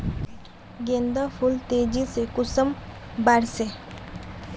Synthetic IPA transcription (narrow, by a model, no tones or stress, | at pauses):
ɡẽːnd̪apʰʊlt̪eːd͡ʒisekʊsəm | baɾse